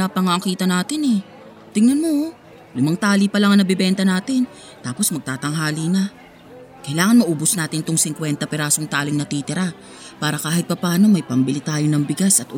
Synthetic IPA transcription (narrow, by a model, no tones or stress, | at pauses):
apɐŋɐɐŋkiːt̪ɐnaːt̪ɪnɛ | t̪ɪŋnɐnmo̞ | lɪmaŋt̪aːlipɐlaŋɐnɐbɪbɛnt̪ɐnaːt̪ɪn | t̪aːpo̞smɐɡ̚t̪aːt̪ɐŋɦaːlinɐ | kɐjlaːŋɐnmɐʔuːbosnaːt̪ɪnt̪ʊŋsɪŋkwɛnt̪ɐpɛɾaːsoŋt̪aːlɪŋnɐt̪iːt̪ɪɾa | paːɾɐkaːhɪt̪̚pɐpaːno̞mɐjpɐmbɪlɪt̪aːjo̞nɐŋbɪɡasɐt̪ʊ